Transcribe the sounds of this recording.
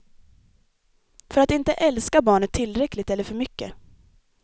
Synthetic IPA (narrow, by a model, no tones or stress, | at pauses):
fœɾat̪ɪnt̪əʔɛlskabɑːɳət̪ʰːɪlːɾɛkːlɪt̪ɛlːəɾfœɾmʏkːə